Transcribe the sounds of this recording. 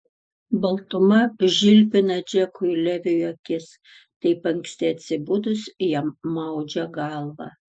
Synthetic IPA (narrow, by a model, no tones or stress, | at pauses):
bɐlˠt̪ʊmɐʒʲɪlʲpʲɪnɐd͡ʒʲɛkʊɪlʲɛʋʲɪjokʲɪs | t̪ɐɪpɐŋʲksʲt̪ʲɛɐt̪ʲsʲɪbʊd̪ʊsjɛmmɐʊd͡ʒʲɛɡɑlˠʋɑ̰ː